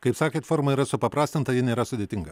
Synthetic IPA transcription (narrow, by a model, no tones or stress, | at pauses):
kɐɪpsɑːkʲeːt̪fɔɾmɐiːɾɐsʊpɐpɾɑːsʲt̪ɐnt̪ɐjɪnʲɛːɾɐsʊd̪ʲeːt̪ʲɪŋɡɐ